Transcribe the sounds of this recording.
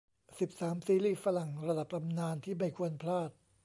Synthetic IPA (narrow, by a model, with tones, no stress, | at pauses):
si˨˩p̚saː˩˦msiː˧liː˥˩fa˧la˨˩ŋɾa˧da˨˩p̚t̪ʰa˧mnaː˧nt̪ʰiː˥˩ma˥˩jkʰu˧ənpʰlaː˥˩t̪̚